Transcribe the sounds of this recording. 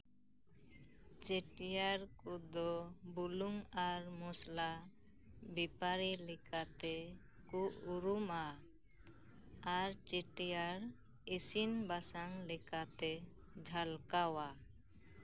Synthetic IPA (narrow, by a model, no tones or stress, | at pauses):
t͡ʃeʈijaɾkud̪ɔbuluŋaɾmɔsla | bipaɾilɛkat̪ɛkuʔuɾuma | aɾt͡ʃeʈijaɾ | esinbasaŋlɛkat̪ɛd͡ʒʱalkawa